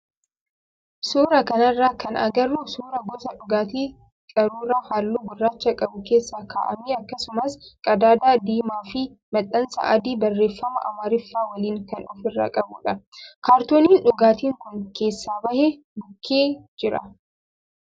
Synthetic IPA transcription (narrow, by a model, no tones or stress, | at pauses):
suːɾɐkɐnɐrːaːkɐnɐ̰ɡɐrːuːsuːɾɐɡɔt̪ɐᶑʊɡaːt̪iː | kʼɐɾuːɾaːhaːlːuːɡʊrːaːt͡ʃːɐkʼɐbʊke̞ːsːaːka̰ːʔɐmeːɐkːɐsʊmɐskʼɐd̪aːd̪aːd̪iːmaːfɪ | mɐt̪ʼːɐnsɐ̰ʔɐd̪iːbɐrːe̞ːfːɐmɐ̰ʔɐmaːɾɪfːaːwɐliːŋkɐnʔɔfɪrːa̰ːkʼɐbʊ̰ᶑɐkaːɾt̪oːniːnᶑʊɡaːt̪iːŋkʊŋke̞ːsːaːbɐhe | bʊkʰːeːd͡ʒɪɾɐ̰